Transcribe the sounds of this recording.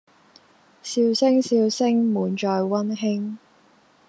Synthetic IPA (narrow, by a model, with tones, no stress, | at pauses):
siː˧wsɪ˥ŋsiː˧wsɪ˥ŋmuː˨˩nt͡ʃɔː˨˧jwɐ˥nɦɪ˥ŋ